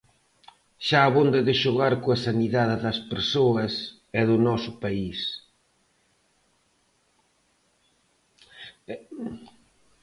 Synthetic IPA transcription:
ʃaːβond̪ɐðɪʃʊɣaɾkoɐsaniðaðɪðɐspeɾsoɐs | ɛðʊnɔsʊpais

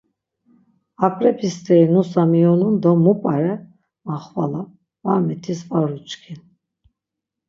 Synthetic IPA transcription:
apʼɾɛpʰist̪ʰʼɛinusamiɔnund̪ɔmːupʼaɾɛ | maχvala | vamɛt̪ʰisvaɾut͡ʃʼkʰin

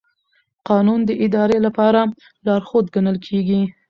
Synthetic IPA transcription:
qɑnund̪əʔɪd̪ɑɾelapɑɾa | lɑɾxod̪̚ɡanəlkʰeɡi

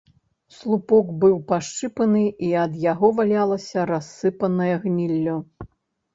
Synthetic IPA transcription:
slˠupɔɡbɨwpaʂt͡ʂɨpɐnɨiɐd̪jaɣɔvalʲalˠɐsʲɐɾasːɨpɐnɐjɐɣnʲilʲːɔ

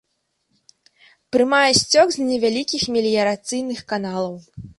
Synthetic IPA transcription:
pɾɨmajɛsʲt͡sʲɔkzʲnʲɛvʲalʲikʲixmʲɛlʲijɐɾat̪sɨjnɨxkanalˠɐw

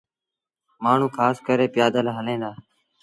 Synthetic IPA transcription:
maːɳ̤ũːkʰaːskəɾeːpɪjaːd̪əlːɦəlẽːd̪aː

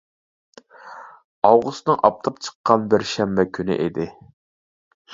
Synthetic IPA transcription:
ɑwʁust̪nɨŋʔɑp̚t̪ʰɨp̚t͡ʃʰə̥qːɑnbɪɾʃɛmbɛkʲʰynɪ̰ʔed̪ɪ

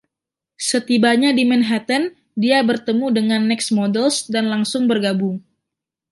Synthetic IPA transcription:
sət̪ibaɲadimɛnɦat̪ən | diabərt̪əmudəŋanːɛksmodɛlsdanlaŋsʊŋbərɡabʊŋ

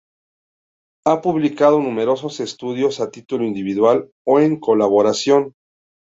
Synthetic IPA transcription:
apuβlikað̞o̞nũme̞ɾo̞s̬o̞se̞st̪uðjo̞sat̪it̪uloind̪iβiðwal | oeŋko̞laβo̞ɾasjo̞n

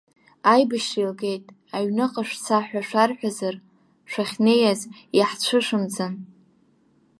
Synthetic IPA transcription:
ajbɨʃilɡe̞jtʼ | aɥnɨqʼaʂt͡sʰaħʷᶣaʂʷarħʷᶣazar | ʂʷaχʲne̞jaz | jaħt͡ɕʷʰɨʂɨmd͡zɨn

